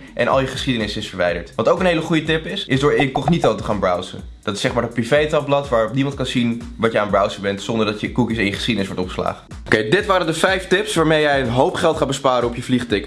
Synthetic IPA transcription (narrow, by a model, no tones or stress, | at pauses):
ʔɛ̰nʔɑ̰lˠjəχə̥sχidənɪsɪsfəɹʋɛjdə̰ɹtʋɑtowkənɦejləχujətɪpɪsɪzdʊːɹɪnkɔχnitowtəχaːnbrɑwsə̰ | d̥ɑtɪ̥sɛχmaːɹdɑt̚privejtɑp̚blɑtʋaːɹɔpnimɑnt̚kɑnzinʋɑtjəaːnbrɑwsəbɛntsɔndəɹdɑtjəkukisɪ̃njəχə̥sχidənɪsʋɔɹtɔpχə̥sla̰ːχə | okejdɪtʋaːɾəndəfɛjftɪpsʋaːɹmejɛjənɦowpχɛlˠtχaːt̚bəspaːɾənɔpjəvliχtɪk